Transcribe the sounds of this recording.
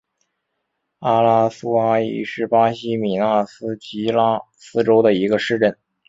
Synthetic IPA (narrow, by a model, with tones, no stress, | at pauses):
a˥la˥su˥a˥ḭ˥˧˩ʂɻ̩˥˩pa˥ɕi˥mi˨˩na˥˩sɹ̩˥t͡ɕi˧˥la˥ | sɹ̩˥ʈ͡ʂo˥ʊd̪ə˨i˧˥ɡə˧ʂɻ̩˥˧ʈ͡ʂə˥˩n